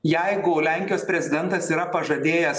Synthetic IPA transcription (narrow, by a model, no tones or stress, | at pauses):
jɛɪɡʊlʲæˑŋʲkʲɪjoːspʲɾʲɛzʲɪd̪ʲɛnt̪ɐsiːɾɐpɐʒɐd̪ʲeːjɛs